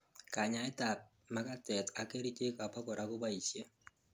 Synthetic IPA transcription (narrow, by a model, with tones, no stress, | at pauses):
ka˨ɲa˨˦ɛ˦ta˨p̚ | ma˦ka˦tɛ˨ta˨ke˦ɾi˦t͡ʃe˦ka˨pa˦kɔ˨ɾʔa˦kʊ˦ba˦i˨sje˦